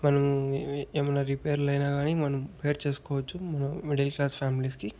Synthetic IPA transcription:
mɐnɐmuemɐnːɐɾipeːɐɾlɐjnaːɡaːnimɐnɐmpejɐɾt͡ʃe̞ːsu̥kɔːʋɐt͡ʃːumɐnɐmmiɖɐlklaːspʰaːmiliski

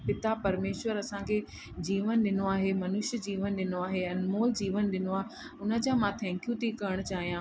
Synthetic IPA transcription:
pɪt̪apɐɾmeːʃʋəɾɐsãkʰe | d͡ʑiːʋənɗɪnoaːɦemɐnʊʃəd͡ʑiːʋənɗɪnoaːɦeɐ̃nmoːld͡ʑiːʋənɗɪnoaː | ʊnə̆d͡ʑãmãt̪ʰɛ̃ːŋkijũt̪ikɐəɽ̃ʊt͡ɕaːɦijã

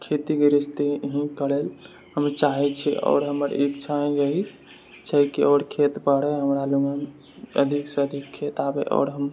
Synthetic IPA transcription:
kʰet̪iɡeɾist̪eɦĩkəɽel | həmt͡ʃaɦɛt͡ʃʰɛ̰ʔɔ̰ːɾɦəməɾikt͡ʃʰaẽd͡ʒəɦi | t͡ʃəkiɔːɾkʰet̪bəɽɛɦəmɾaluɡam | ə̰d̪ʱikseəd̪ʱikʰːet̪abeʔɔ̰ːɾɦəm

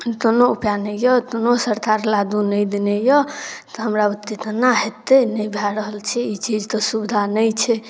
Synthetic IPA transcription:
t̪onoupjanejɔt̪onosəɾk̪aɾlad̪unəjd̪inejɔt̪ɔɦəmɾaut̪ːit̪naɦet̪ːenəjbʱaɾəɦəlt͡ʃʰɛit͡ʃid͡ʒt̪ɔsubd̪ʱanəjt͡ʃʰɛ

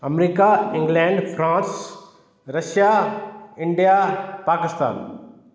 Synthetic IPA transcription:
ɐmɾiːkaɪ̃ŋɡlɛ̃ːɳɖfʰɾãːns | ɾɐʃjaɪ̃ɳɖijapaːkɪst̪a̰ːn

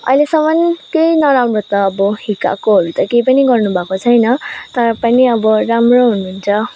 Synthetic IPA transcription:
ʌ̰jlesʌmʌnkejnʌɾamrot̪ʌːbʌɦika̰koɦʌɾut̪ʌkejpʌniɡʌrnubʱakot͡sʰʌjnʌt̪ʌɾʌpʌniʌbʌramroɦunuɦunt͡sʰʌ

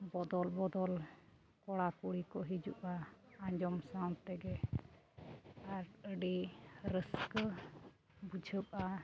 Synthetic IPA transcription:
bɔd̪ɔlbɔd̪ɔl | kɔɽakuɽikɔɦid͡ʒuʔaaɲd͡ʒɔmsaw̃t̪ɛɡɛ | aɾəɖiɾəsk | bud͡ʒʱəp̚a

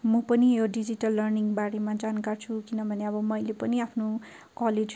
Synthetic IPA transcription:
mʌpʌnijoɖid͡ziʈʌlːʌrniŋbaɽemad͡zankart͡sʰukinʌbʱʌneʌbʌmʌjlepʌniapʰno | kʌled͡z

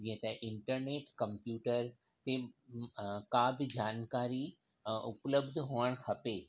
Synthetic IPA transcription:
d͡ʑĩːə̃t̪ɐʔɪɳʈəɾneːʈkɐ̃mpjuːʈəɾ | t̪e | kabɪd͡ʑaːnkaːɾi | ʔʊpləbd̪ʱɦoːəɽ̃kʰɐpeː

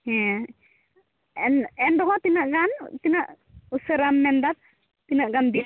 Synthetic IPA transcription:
ɛ | ɛnɛndɔɦɔt̪inaʔɡant̪inaʔ | useɾamːɛndat̪̚ | tinaʔɡanbi

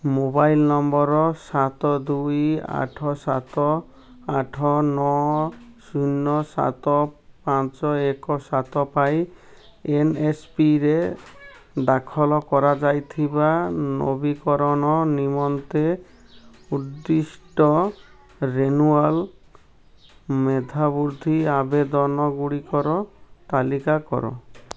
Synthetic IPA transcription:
mobajlnɔmbɔɾɔsat̪ɔd̪uja̰ʈʰɔsat̪ɔ | aʈʰɔnɔ | sunːɔsa̰t̪ɔpãt͡ʃɔekɔsat̪ɔpaj | enespiɾe | d̪akʰɔlɔkɔɾad͡ʒajt̪ʰibano̰bikɔɾɔnɔnimɔnt̪e | uɾd̪isʈɔ | ɾenual | med̪ʱabuɾd̪ʱiabed̪ɔnɔɡuɽikɔɾɔt̪alikakɔ̰ɾɔ̰

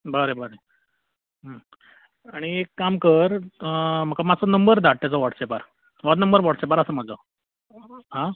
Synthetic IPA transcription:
bəɾebəɾe | ɦə | aɽ̃iekːamkəɾ | m̤əkamat͡sənəmbəɾd̪aʈ̚ʈ̪ːat͡sɔʋɔʈsepaɾ | ʋat̪nəmbəɾʋɔɽsepaɾəsəːm̤əd͡zo | ɦã

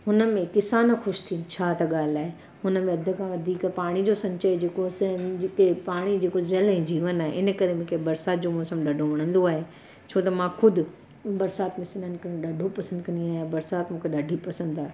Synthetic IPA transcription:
ɦʊnə̆mẽkɪsaːnxʊʃt̪ʰiːnt͡ɕʰaːt̪ɐɠaːlaːɦe | hʊnəmẽɐd̪ʱʊ̆kʰãʋɐd̪ʱiːkpaːɽ̃id͡ʑosɐ̃ɲt͡ɕəid͡ʑeːkosɪkepaːɽ̃id͡ʑeːkozɐlɦẽd͡ʑiːʋənaːɦeʔɪnə̆kɐɾemẽːkʰebɐɾsaːt̪̚d͡ʑomɔːsəmɗɐɖʱoʋɐɽ̃ə̃nd̪oaːɦe | t͡ɕʰoːt̪ɐmãxʊd̪ʱʊ̆ | bɐɾsaːt̪mẽsɪnənɪ̆kɐ̃ɗɐɖʱopɐsə̃nd̪kɐ̃nd̪iaːɦjabɐɾsaːt̪mũːkʰeɗɐɖʱipɐsə̃nd̪aːɦe

